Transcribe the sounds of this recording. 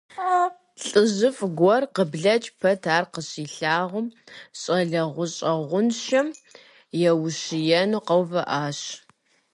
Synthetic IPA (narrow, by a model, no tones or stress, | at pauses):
ɬʼɨʑɨfɡʷɔrqəbɮɐt͡ʃʼpʰɐtʰaːrqəɕiːɬaːʁʷʊmɕʼɐɮɐʁʷʊɕʼɐʁʷʊnʃɐm | jɛwʊɕɪjɛnuqɐwvɐʔaːɕ